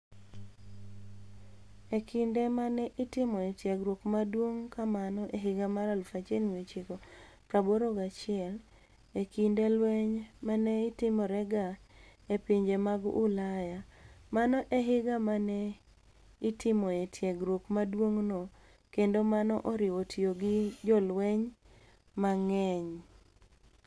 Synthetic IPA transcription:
ekʰɪndemanɛʔɪtɪmɔɛtjɛɡɾwokmadwoŋkamanɔʔeɦɪɡamaɾalfat͡ʃenwet͡ʃikokaboɾoɡat͡ʃɪɛl | ekindelwɛɲmanɛɪtɪmɔɾɛɡaepiɲd͡ʒemaɡʊlajamanɔʔeɦɪɡamanɛ | itɪmɔetʰjeɡɾokmadwoŋno | kendomanɔʔɔɾɪotʰioɡɪd͡ʒɔlwɛɲ | maŋɛɲ

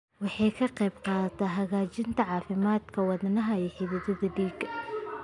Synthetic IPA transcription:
wɑħɑjkʰɐqɛjbqɑːt̪ʰɐɦɐɣaːt͡ʃɪnt̪ʰɐʕɑːfɪmaːd̪kʰɐwɑðnɐɦɐɛːħɪðɪðɐðɐɖiːɡɐ

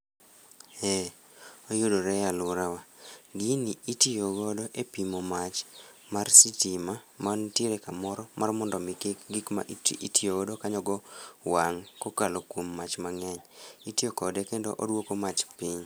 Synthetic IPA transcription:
ɛ | ojʊdoɾɛjalʊɾawaɡiniitioɡodɔʔepimomat͡ʃmarsitimamantiɾɛkamɔɾɔmarmɔndɔmikɡikma̰ʔitʔitʰioɡɔdokaɲɔɡɔwaŋkokalokwomːat͡ʃmaŋɛɲitiokɔdɛkendoʔodwokomat͡ʃpiɲ

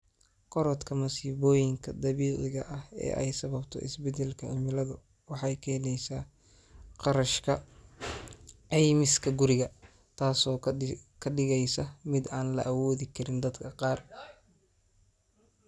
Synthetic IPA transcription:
kʰɔɾɔd̪kʰɐmɐsiːβɔːjɪŋkʰɐd̪ɐβiːʕɪɣɐʔɐhɛ̰ːʔɛ̰jsɐβɐbt̪ʰɔ̰ʔɪ̰sbɛd̪ɛlkʰɐʕɪmɪlɐðʊ | wɑħɑjkʰɛːnɛjsaː | qɑɾɐʃkʰɐ | ʕɛjmɪskʰɐɡʊɾɪɣɐ | t̪ʰaːsɔːkʰɐɖɪɣɛjsɐmɪd̪aːnlɐ̰ʔɐwɔːðɪkʰɐɾɪnd̪ɐd̪kʰɐqɑːr

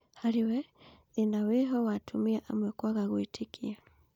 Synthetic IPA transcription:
haɾiwɛðinawɛɦɔwatʰumiaʔamwɛkwaɣaɣuitʰikia

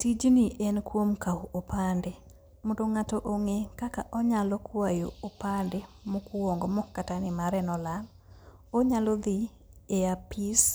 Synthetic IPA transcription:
tid͡ʒniʔɛnkwomkaopandɛ | mondoŋatoʔoŋekakaʔɔɲalɔkwwajoopandɛ | mokuwɔŋɡɔmɔkːatanɪmaɾɛnɔlan | oɲalɔd̪i | eapis

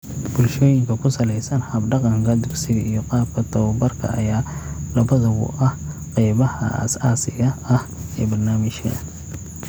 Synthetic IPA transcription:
b̥ʊlʃɔːjɪŋkʰɐkʰʊsɐlɛjsɐnhɐbɖɑqɑŋkʰɐd̪ʊksɪðijɔqɑːb̚kʰɐt̪ʰɐwbɐrkʰɐ̰ʔɐ̰jaːlɐβɐðɐβʊ̰ʔɐhqɛjβɐhɐ̰ʔɐ̰saːsɪɣɐɐhɛ̰ːbɐrnaːmɪʃkɐ̰n

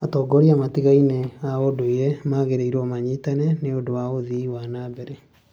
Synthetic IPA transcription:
atɔːɡɔɾiamatiɣaineaodoejɛmaɣeɾeiɾwɔmaɲitanɛneodowaoðiwanabɛɾɛ

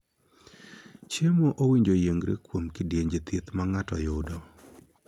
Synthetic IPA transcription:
t͡ʃjemoʔowiɲd͡ʒojeŋɡɾḛkwomkɪdjeɲd͡ʒet̪ʰet̪maŋatɔjʊdɔ

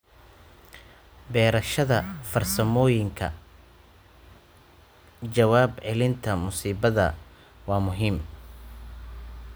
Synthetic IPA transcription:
bɛːɾɐʃɐðɐfɐrsɐmɔːjɪŋkʰɐ̰ | d͡ʒɐwaːbʕɛlɪnt̪ʰɐmʊsiːbɐðɐ̰ | wɑːmʊɦiːm

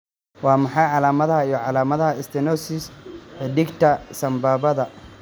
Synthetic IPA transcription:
wɑːmɐħɑjʕɑlaːmɐðɐhɐijɔʕɑlaːmɐðɐɦɐɪst̪ʰɪnɔsɪsħɪd̪ɪɡt̪ʰɐsɐmbaːβɐðɐ

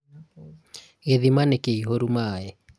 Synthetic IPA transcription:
ɣeðimanekeiɦoɾumaːɛ

